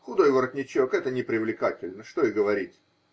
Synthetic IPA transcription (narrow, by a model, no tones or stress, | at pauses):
xʊd̪o̞jvəɾət̪ʲnʲɪt͡ɕokɛt̪ənʲɪpɾʲɪvlʲɪkatʲɪlʲnəʂt̪o̞ɪɡəvɐɾʲitʲ